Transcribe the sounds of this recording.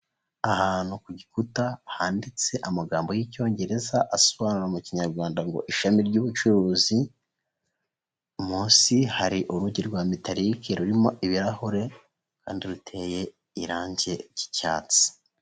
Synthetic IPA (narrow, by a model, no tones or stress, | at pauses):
ahaːn̥hukuɟikutahaːndit͡se̞ʔamaɡaːmbo̞jico̞ːɲɟe̞ɾe̞zaʔasoβanuɾaumuciɲaɾɡwaːndaŋɡo̞̰ʔiʃamiɾɟuːβut͡ʃuɾuːzi | muːsihaɾiʔuɾuɟiɾɡwaːmitaɾikʰeɾuɾimo̞ʔiβiɾahoɾe̞ | kaːndiɾutʰe̞ːje̞ | iɾaːɲɟe̞ci̥ca̰ːt͡si̥